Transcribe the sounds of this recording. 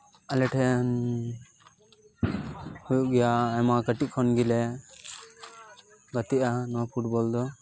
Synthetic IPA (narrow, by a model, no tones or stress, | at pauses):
alɛʈʰɛn | hujuʔɡɛjaːjmakəʈiʔkʰɔnɡilɛ | ɡət̪iʔanɔapʰuʈbɔld̪ɔ